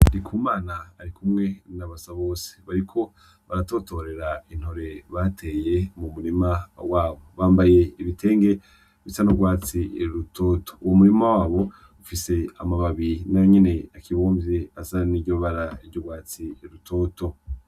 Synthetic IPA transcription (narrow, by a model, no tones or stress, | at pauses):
dikʰuːmaːnaːɾikumŋe̞naβasaβo̞ːse̥βaɾikʰo̞ | βaɾato̞to̞ɾe̞ɾain̥ho̞ɾe̞βatʰe̞je̞mumuɾimawaːβo̞βaːmbaje̞iβitʰe̞ːŋɡe̞ | βisanuɡwaːt͡siɾutʰoːtʰo̥uwomuɾimawaːβo̞ | ufise̞amaβaβiɾinajoɲene̞akʰiβo̞ːmvjeazaniɟoβaɾaiɾɟoɡwaːt͡siɾutʰo̞ːto̞